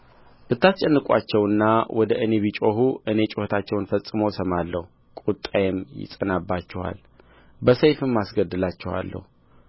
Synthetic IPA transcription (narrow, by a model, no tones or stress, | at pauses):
b̥ɨt̪ːast͡ʃʼɛnːɨkʷʼwa̰t͡ʃːɛwɨnːawʔɔd̪əʔɨne̞βit͡ʃʼoɦuʔɨne̞t͡ʃʼoht̪ʰat͡ʃːɛwnfəsʼɨmosəmalːəhu | kʼut̪ʼːajɛmjɪ̰sʼənabːat͡ʃːɛwa̰l | bəsəjfɨmːasɡəd̪ːɨlat͡ʃːɛwa̰lːə̰hu